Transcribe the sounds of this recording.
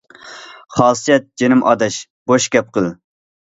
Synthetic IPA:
χɑːsɨjɛt̪̚d͡ʒenɪmʔɑ̰d̪ɛʃ | b̥oʃkʲɛp̚qəlˠ

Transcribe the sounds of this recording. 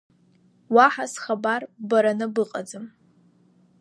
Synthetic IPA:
waħasχabarbaɾanɨbɨqʼad͡zɨm

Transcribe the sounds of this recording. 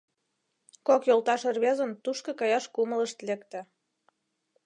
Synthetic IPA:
kokjolt̪ɑʃərβezə̆nt̪uʃkɤ̆kɑjɑʃkumələʃt̪lekt̪ĕ

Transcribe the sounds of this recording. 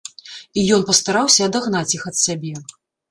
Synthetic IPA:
ijɔnpɐst̪aɾawsʲɐːd̪aɣnat͡sʲjixɐt̪sʲabʲɛ

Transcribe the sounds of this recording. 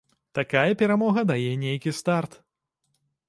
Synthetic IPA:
t̪akajɐpʲɛɾamɔɣɐd̪ajɛnʲejkʲist̪art̪

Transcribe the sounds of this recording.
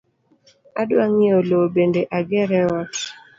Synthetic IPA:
adwaŋiolobendeʔaɡɛɾɛɔt

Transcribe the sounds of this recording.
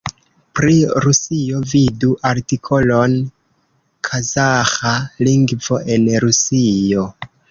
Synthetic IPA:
pɾiɾusio̞viduʔaɾtikʰo̞lo̞n | kʰazaxaliŋɡvo̞ʔe̞nɾusio̞

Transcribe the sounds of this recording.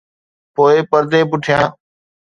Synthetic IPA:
poːeːpəɾd̪ẽːpʊʈʰɪjãː

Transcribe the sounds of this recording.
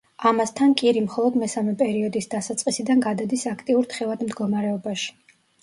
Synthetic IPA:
amast̪ʰankʼiɾimχɔlˠɔd̪mɛsamɛpʼɛɾiɔd̪isd̪asat̪sʼqʼisid̪anɡad̪ad̪isakʰt̪ʼiuɾt̪χɛvad̪md̪ɡɔmaɾɛɔbaʃi̥

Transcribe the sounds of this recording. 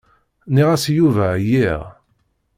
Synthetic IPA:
niʁæsjuvæjiʁ

